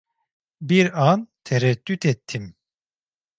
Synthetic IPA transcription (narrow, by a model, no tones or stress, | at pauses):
biɾant̪ʰɛɾɛd̪ːyt̪ɛt̪ʰːim